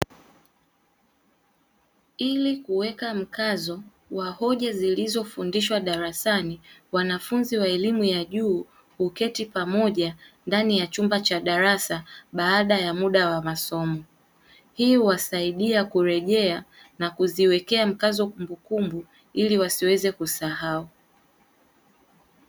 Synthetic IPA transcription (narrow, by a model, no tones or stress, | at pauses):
ilikuwɛkam̩kazɔ | wahɔʄazilizɔfundiʃwaɗaɾasaniwanafunziwaɛlimujaʄuː | hukɛtipamɔʄandanijat͡ʃumbat͡ʃaɗaɾasaɓaːɗajamuɗawamasɔmɔ | hiuwasaiɗiakuɾɛʄɛa | nakuziwɛkɛam̩kazɔkumbukumbu | iliwasiwɛzɛkusahau